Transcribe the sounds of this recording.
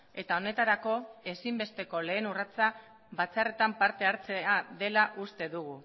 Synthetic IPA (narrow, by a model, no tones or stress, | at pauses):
e̞t̪ao̞ne̞t̪aɾako̞e̞simbe̞st̪e̞ko̞le̞ːnurat͡sa | βat͡sare̞t̪ampaɾt̪e̞aɾt͡seaðe̞laʔust̪e̞ðuɣ̞u